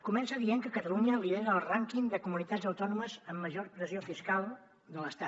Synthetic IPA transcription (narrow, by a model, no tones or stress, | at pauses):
kumɛnsəðieŋkəkət̪əluɲəliðeɾəːlˠraŋkiŋd̪əkumunit̪azəwt̪ɔnuməzəmːəʒorpɾəziofiskalˠ | d̪ələst̪at̪